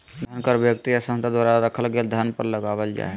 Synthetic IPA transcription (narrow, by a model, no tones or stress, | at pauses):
d̪ʱankəɾbjəkt̪iəsə̃nst̪ʰad̪waːɾaɾəkʰəlɡeld̪ʱanpəɾləɡabəld͡ʒa̰ːe